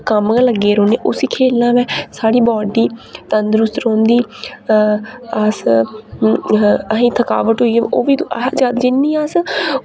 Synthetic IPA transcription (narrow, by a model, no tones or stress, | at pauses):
kəmɡãləɡːeːɾõːneːʔʊsiːkʰeːlnãːʋɛːsaːɽiːbɔːɖiːt̪ənd̪ɾʊst̪ɾõːnd̪iː | əs | əɦĩːt̪ʰəka̰ːʋət̪ɦoːiːɛoːʋiːd͡ʒaːd̪d͡ʒɪnːĩːaːs